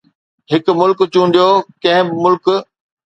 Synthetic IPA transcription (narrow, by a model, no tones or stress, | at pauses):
ɦɪkmʊlkt͡ɕũːn̆d̪jokɐ̃ɦɪ̃bɪmʊlk